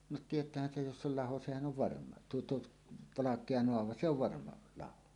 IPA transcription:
no tietˑæːhæn sej jos s ol lɑho sehæn on ʋɑrmɑ tuo tuot ʋɑlɑkˑeɑ noɑʋɑ se oʋ ʋɑrmɑ lɑho

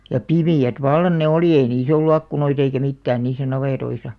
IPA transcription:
jɑ pimiæt ʋɑlːɑn ne oliˑ ei niːs olːu ɑkːunoit eikæ mitːæːn niːsˑæ nɑʋeˑtoisɑ

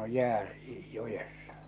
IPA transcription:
oj jæː jojesːɑ̥

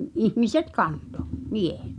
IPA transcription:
ihmiset kɑnto miehe̥t

